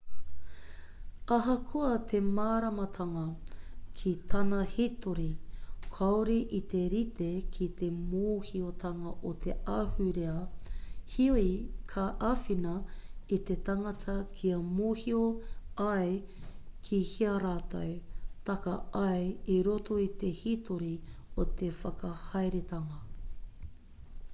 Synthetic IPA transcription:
ɐɦɐkʰuɐt̪ʰe̞maːɾɐmɐt̪ʰɐŋɐkʰit̪ʰɐnɐhitoɾikʰɐoɾiʔit̪e̞ɾit̪ʰekʰit̪e̞moːhiot̪ʰɐŋɐʔot̪ʰeɐhʉɾeɐ | hioikʰɐʔɐfinɐit̪e̞t̪ɐŋɐtʰɐkʰiɐmoːhioɐj | kʰihiɐɾaːtɐ̰wt̪ɐkɐɐjiɾoto̞it̪e̞hitoɾiot̪ʰe̞fɐkɐhɐjɾet̪ɐŋɐ

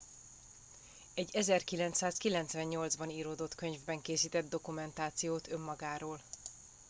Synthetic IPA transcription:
ɛɟːɛzɛrkilɛnt̪saːskilɛnt̪svɛɲːo̞ldzbɒniːɾoːd̪o̞t̪kø̞ɲvbɛŋkeːsiːt̪ɛd̪̚d̪o̞kumɛnt̪aːt̪sijoːt̪ø̞mːɒɡaːɾoːl

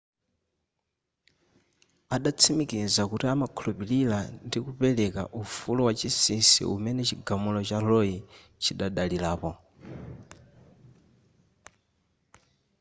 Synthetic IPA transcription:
aɗat͡sʰimikizakutiamakʰulupililandikupɛlɛka̰ʔufulɔwat͡ʃisinsḭṵmɛnɛt͡ʃiɡamulɔt͡ʃalɔji | t͡ʃiɗaɗalilaːpɔ

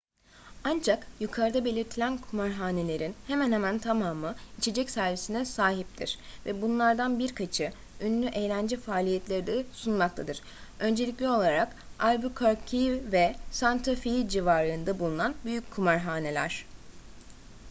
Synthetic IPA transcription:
and͡ʒakjukʰaɾd̪abe̞lʲiɾt̪ʰilʲænkʰumaɾɦaːne̞lʲe̞ɾinhemænhemænt̪ʰamaːmɯit͡ʃʰe̞d͡ʒɛcsæɾvisinɛsaːɦipt̪ʰḭɾ̥vɛbunlˠaɾd̪anbiɾkʰat͡ʃʰɯ | ynlʲyʔe̞jlʲænd͡ʒɛfaːlʲijɛt̪ʰlʲeɾid̪ɛsunmak̚t̪ʰad̪ɯɾ̥ | ø̞nd͡ʒe̞lʲicʲlʲio̞lˠaɾak | alʲbukʰoɾcʰijvɛsant̪ʰafijd͡ʒivaːɾɯːnd̪abulˠunanbyjycʲkʰːumaɾɦaːne̞lʲæ̰ɾ̥

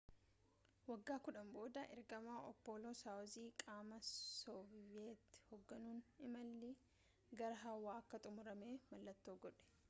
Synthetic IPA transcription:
wɐɡːaːkʊᶑɐmbo̞ːd̪ɐʔɛ̰ɾɡɐmaːʔɔpːoːloːsaːɔziːkʼaːmɐsɔeːt̪ːhɔɡːɐnuːnɪmɐlːɪ | ɡɐɾɐɦɐwːaːɐkːɐt̪ʼʊmʊɾɐme̞ːmɐlːɐt̪ːoːɡɔᶑɛ̥

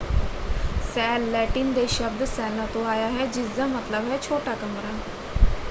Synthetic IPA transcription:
sɛːlːɛʈiːnd̪eʃəb̚d̪sɛːlat̪õaːjaɦɛd͡ʑɪd͡zamət̪ləbɦɛt͡ʃʰoːʈakəmɾa

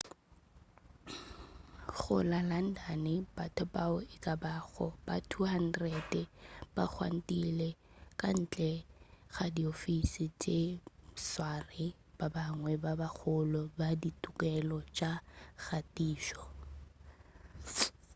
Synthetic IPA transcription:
χʊ̰lalan̩danɪbatʰɔbaʊɪkʼabaɣɔ̰b̥atʰuɦan̩dredɛb̥ak͡xʰwa̰n̩tʼilɛ | kʼan̩ːt͡ɬʼɛɣadiofisɪt͡ʃʼeswarɪ | b̥abaŋwɛbabak͡xʰʊlɔbaditʼʊkʼɛlɔt͡ʃʼaɣatʼiːʃɔ

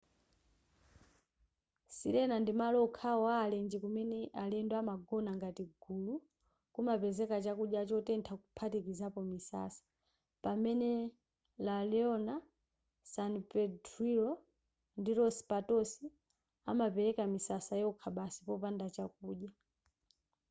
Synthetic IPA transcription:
sḭɾɛnandimalɔukʰawaːlɛnd͡ʒɛkumɛnɛʔalɛndɔamaɡɔnaŋɡatiɡulu | kumapɛzɛkat͡ʃakuɗjat͡ʃɔtɛntʰakupʰatikizapɔmisa̰sḁ | pamɛnɛ | lalɛɔna | sanpɛdɾiɾɔ | ndiɾɔsi̥patɔsi | amapɛɾɛkamisasajɛɔkʰaɓasipɔpandat͡ʃak̚uːɗa

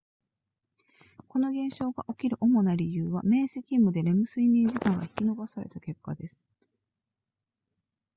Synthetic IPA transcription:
ko̞no̞ɡẽ̞ɰ̃ɕo̞ːɡa̰ʔo̞kʲiɾɯ̟ʔo̞mo̞naɾʲijɯːβame̞ːsekʲimːɯ̟d̪e̞ɾe̞mɯ̟sɨimʲĩɲd͡ʑikãŋɡaçi̥kʲino̞basaɾe̞̰t̪ake̞kːad̪e̞sɨ̥

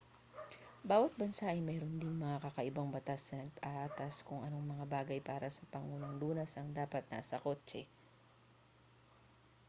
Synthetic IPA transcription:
baːwɐt̪̚bɐnsaʔɐjmɛːɾond̪ɪŋmɐŋakɐkɐʔɪbaŋbɐt̪asːɐnɐɡ̚p̪ɐʔaʔat̪ɐskʊŋʔɐno̞ŋmɐŋabaːɡɐjpaːɾɐsɐpɐŋuːnɐŋluːnɐsɐŋd̪aːpɐt̪̚na̰sɐkoːt͡ʃɛ

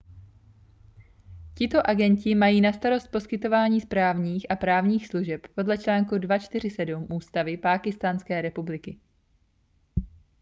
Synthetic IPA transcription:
cɪt̪o̞ʔaɡɛɲcɪmajiːnast̪aɾo̞st̪̚po̞skɪt̪o̞vaːɲiːspɾaːvɲiːxʔapɾaːvɲiːxsluʒɛppo̞dlɛt͡ʃlaːŋkudvat͡ʃt̪ɪr̝ɪsɛdumʔuːst̪avɪpaːkɪst̪aːnskɛːɾɛpublɪkɪ

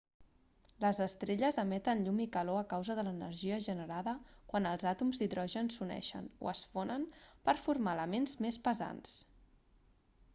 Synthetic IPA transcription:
ləzəst̪ɾeʎəzəmɛt̪ənʎumikəloəkawzəðələnə̰ɾʒiəʒənəɾaðəkwanəlˠzat̪umziðɾɔʒənsunɛ̰ʃə̰no̰əsfonənpəɾfuɾmaləmenzmespəza̰ns

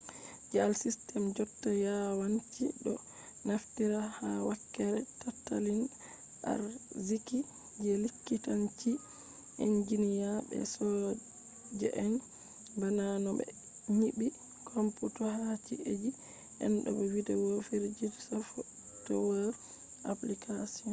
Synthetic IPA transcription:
d͡ʒalsistɛmd͡ʒɔtːajawant͡ʃiɗɔ | naftiɾahawakːɛɾɛtatːa̰lin | ʔa̰ɾziki | d͡ʒɛlikːitant͡ʃi | ʔind͡ʒinijabɛ̰sɔ | d͡ʒɛ̰ʔɛn | bananɔbɛ̰ | ɲibi | kʰomputɔhat͡ʃḭed͡ʒi | ʔɛ̰nɗɔ̰bɛwidɛwofeɾd͡ʒiɾsafɔ | tɔwaɾ | ʔa̰plikʰasiɔn

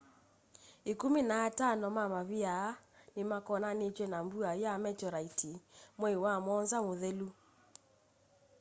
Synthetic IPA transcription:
ekumenatanɔmamaβiaːnemakɔnanet͡ʃwɛnambuajamɛt͡ʃɔɾaitimwɛwamɔnzamoðelu

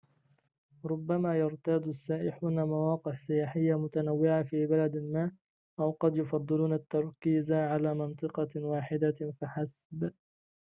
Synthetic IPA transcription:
ɾˤʊbːamaːjɑɾt̪aːd̪asːaːʔɪħuːnamawɑːqɪħsɪjaːħɪjːamʊt̪anawːɪʕafiːbalad̪almaːʔ | ʔawqɑd̪jʊfɑd̪ˤːɨluːnat̪ːɑɾˤkiːzʕalaːmɪnt̪ˤɨqɑwaːħɪd̪afaħas | b

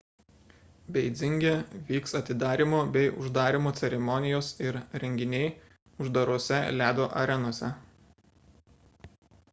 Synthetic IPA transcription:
bʲɛɪd̪zʲɪŋʲɡʲeʋʲiːksɐt̪ʲɪd̪ɑːɾʲimoːbʲɛɪʔʊ̰ʒd̪ɑːɾʲɪmoːt̪sʲɛɾʲɛmɔnʲɪjoːsɪɾɾʲɛŋʲɡʲɪnʲɛɪ | ʊʒd̪ɐɾoɔsʲɛlʲæːd̪oːʔɐɾʲɛnoɔsʲɛ̰

